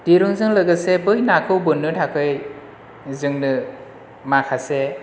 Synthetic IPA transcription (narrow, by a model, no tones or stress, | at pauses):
d̥iɾuŋzɯŋlɯɡɯsebɯjnakʰɯwbɯnːɯtʰakʰɯj | zɯŋnɯ | makʰase